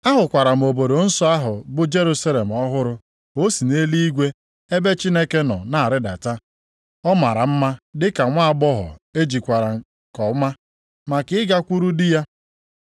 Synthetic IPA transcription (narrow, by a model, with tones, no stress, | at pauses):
a˦ɦʊ˨kʷa˨ɾa˨m̩˨o˨bo˨ɾo˨n̩˦sɔ˦a˦ɦʊ˨bʊ˦d͡ʒe˦ɾu˦sa˦le˨m̩˨ɔ˦ɦʊ˦ɾʊ˦ | o˦si˨ne˦li˦i˦ɡʷe˦ | e˦be˦t͡ʃi˦ne˦ke˦nɔ̰˨na˨a˨ɾɪ˦da̰˨ta˦ | ɔ˦ma˨ɾa˨m̩˦ma˦dɪ˦ka˨ŋʷa˦a˦˨bɔ˦ɦɔ̰˨e˦d͡ʒi˨kʷa˨ɾa˨ŋ̩˦˨ | kɔ˨˦ma˦ | ma˨kɪ˦ɪ˦ɡa˦kʷu˦ɾu˦dɪ˦ja˦